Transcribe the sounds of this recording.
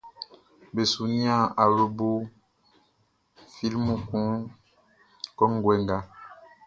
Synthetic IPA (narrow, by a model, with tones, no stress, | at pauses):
be˨su˨ni˦a˦˨a˨βə˦bo˦ | fi˦lmu˨kũ˨˦ŋ | kɔ˦ŋ˦ɡwɛ˨˦ŋɡa˦